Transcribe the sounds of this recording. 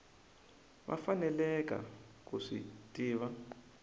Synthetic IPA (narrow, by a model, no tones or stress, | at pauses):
βa̰fanɛlɛk̬ʼa̰ | k̬ʼuʂḭtʼiːβa